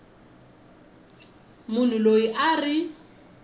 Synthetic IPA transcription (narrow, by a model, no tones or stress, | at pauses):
mʊn̤uloiʔarɪ